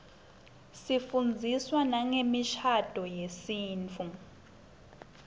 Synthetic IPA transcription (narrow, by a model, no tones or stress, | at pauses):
sifund͡zʱiswanaŋemiʃʰad̥ʱɔjesiːnt͡fʰu